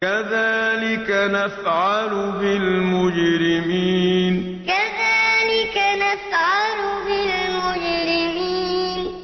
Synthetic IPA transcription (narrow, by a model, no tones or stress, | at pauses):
kaðaːlɪkanafʕalʊbɪlmʊd͡ʒɾɪmiːn | kaðaːlɪkanafʕalʊbɪlmʊd͡ʒɾɪmiːn